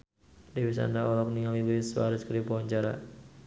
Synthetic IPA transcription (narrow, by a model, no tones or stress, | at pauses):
diwis̬a̰ndaɔlɔk̚niŋalilswa̰ɾəskəɾdipɔɦɔɲt͡ʃaɾa̰